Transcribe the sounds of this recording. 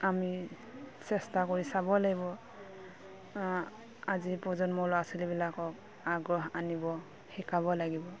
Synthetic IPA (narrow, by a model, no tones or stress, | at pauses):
ami | sɛstakɔɹisabɔlaɡibɔ | azipɔzɔnmɔlɔasilibilakɔk̚ | aɡɹɔɦanibɔ | hikaβɔlaɡibɔ